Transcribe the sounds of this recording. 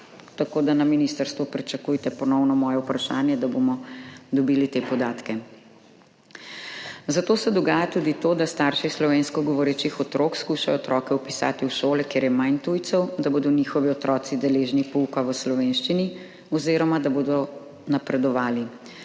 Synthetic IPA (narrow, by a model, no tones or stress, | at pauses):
t̪akoːd̪anaminist̪əɾst̪ʋupɾit͡ʃɐkujt̪ɛpɔnɔwnɔmɔːjɛupɾaʃaːnjɛd̪abomɔd̪ɔbiːlit̪eːpɔd̪aːt̪kɛ | zat̪oːsɛd̪ɔɡaːjat̪ud̪it̪oːd̪ast̪aɾʃislɔʋeːnskɔɡɔʋɔɾɛt͡ʃixɔt̪ɾoːkskuʃajɔːt̪ɾɔːkɛupisa̰ːt̪iuʃoːlɛkeːɾjɛmajnt̪ujt̪sɔwd̪aboːd̪ɔniːxɔʋiɔt̪ɾɔːt̪sid̪ɛleːʒnipɔukaʋəslɔʋeːnʃt͡ʃini | ɔziɾɔmad̪aboːd̪ɔ | napɾɛd̪ɔʋaːli